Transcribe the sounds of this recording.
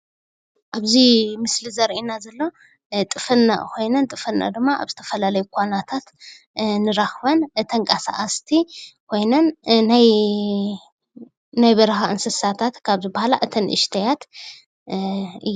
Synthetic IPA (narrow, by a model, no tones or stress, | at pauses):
ʔaβzimɨslizɐɾʔinazɐlːo̞ | t̪ʼɨfɐnːa̰kʰo̞jnɐnt̪ʼɨfɨnːa̰d̪ɨmːaʔa̰βzɨt̪ʰɐ̥fɐlalɐjukʷʰʼanat̪ʰat̪ | nɨɾaxβɐnt̪ʰɐŋkʼasa̰ʔast̪ʰikʰo̞jnɐnːaj | najβɐɾɐxaʔɨnsɐsat̪ʰat̪kʰaβzɨbahala̰ʔɨt̪ʰɐnʔɨ̰ʃt̪ʰɐjat̪ | ɨjː